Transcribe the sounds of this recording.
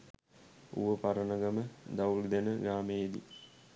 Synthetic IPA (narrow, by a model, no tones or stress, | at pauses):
ṵʋəpaɾənəɡɐməd̪awld̪enəɡaːmejed̪ḭ